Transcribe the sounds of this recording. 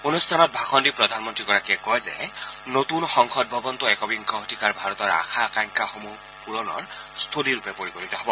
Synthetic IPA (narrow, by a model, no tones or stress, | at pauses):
unust̪ʰanɔt̪̚bʱakɔndipɹɔd̪ʱanmɔntɹiɡɔɹakiɛkɔjzɛnot̪unxɔŋxʰɔd̚bʱɔbɔnt̪uɛkɔbiŋkɔɦtikaɹbʱaɹɔt̪ɔɹa̰xʰakajŋkaxomu | puɹɔnɔ̰ɹ | st̪ʰoliɹupɛpoɹikoɹit̪ɔɦɔbɔ